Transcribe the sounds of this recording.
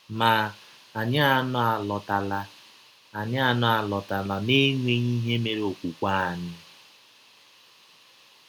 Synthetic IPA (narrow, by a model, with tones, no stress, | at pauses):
ma˨ | a˨ɲa˦a˦nʊ˦a˨lɔ˨ta˨la˨ | a˨ɲɪ˦a˦nʊ˦a˨lɔ˨ta˨la˨ne˦ŋʷe˦ɲi˦ɦe˦me˨ɾo˨kʷu˨kʷa˦a˨nɪ˦